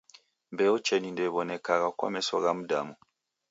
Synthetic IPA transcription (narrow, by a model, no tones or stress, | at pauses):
mbɛɔt͡ʃɛnindɛβɔnɛkaɣakwa̰mɛsɔɣamuda̰mu